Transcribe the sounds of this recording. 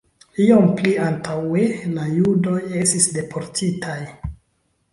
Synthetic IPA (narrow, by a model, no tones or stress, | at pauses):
io̞mpliantʰawe̞lajudo̞je̞stisde̞pʰo̞ɾtʰitʰaj